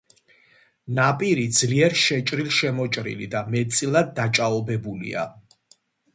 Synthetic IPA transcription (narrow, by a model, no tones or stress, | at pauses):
napʼiɾid̪zliɛɾʃɛt͡ʃʼɾilˠʃɛmɔt͡ʃʼɾḭlḭd̪amɛtt̪sʼilˠad̪ːat͡ʃʼaɔbɛbulḭa̰